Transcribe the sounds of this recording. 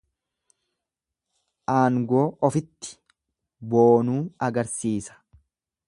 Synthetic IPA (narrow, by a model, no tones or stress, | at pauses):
ʔaːŋɡoːʔɔfɪt̪ːɪ̥ | boːnuːɐɡɐɾsiːsɐ̥